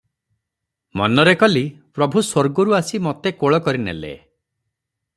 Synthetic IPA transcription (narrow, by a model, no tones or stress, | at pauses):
mɔnɔɾekɔlipɾɔbʱuswoɾɡɔɾuasimɔt̪ekoɭɔkɔɾinḛlḛ